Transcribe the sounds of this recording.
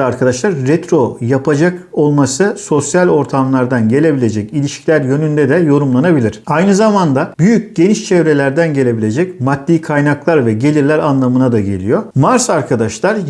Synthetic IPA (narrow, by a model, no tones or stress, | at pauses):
aɾkʰad̪aʃlˠaɾːɛt̪ɾo̞japʰad͡ʒako̞lˠmasɯso̞sjalʲo̞ɾt̪ʰamlˠaɾd̪anɟe̞lʲe̞bilʲe̞d͡ʒɛcilʲiʃcʰilʲæɾjø̞nynd̪ɛd̪ɛjo̞ɾumlˠanabilʲiɾ̥ajnɯzamand̪abyjyc̚ɟe̞niʃt͡ʃʰevɾe̞lʲæɾd̪ænɟe̞lʲe̞bilʲe̞d͡ʒɛcmat̪ːiːkʰajnaklˠaɾvɛɟe̞lʲiɾlʲæɾanlˠamɯnad̪aɟe̞̰lʲḭjo̞maɾsaɾkʰad̪aʃlˠaɾ